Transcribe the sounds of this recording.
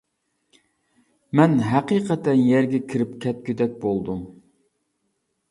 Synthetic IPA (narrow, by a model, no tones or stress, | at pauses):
mɛnɦæqiːqʰət̪ɛnjɛɾɡʲɛkʲʰiɾɪpkʲʰɛt̪̚kʲyd̪ɛk̚ʲbolˠd̪um